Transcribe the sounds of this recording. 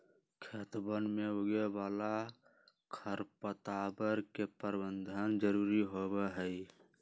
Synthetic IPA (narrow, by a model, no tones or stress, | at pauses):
kʰet̪bənmeoɡebaːla | kʰəɾpət̪aːbəɾkepəɾbənd̪ʱənd͡ʒəɾuːɾiɦobeɦəj